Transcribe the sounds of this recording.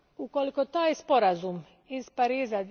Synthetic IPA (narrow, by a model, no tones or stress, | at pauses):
uko̞liko̞t̪aːjspo̞ɾazum | izpaɾiːza